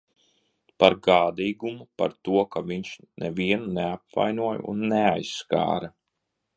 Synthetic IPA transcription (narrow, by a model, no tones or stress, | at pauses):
paɾɡaːd̪iːɡumupa̰ɾt̪uɔkaviɲʃnɛviɛnuneap̚va̰jnuɔj̰ṵnːeajsːka̰ːɾɐ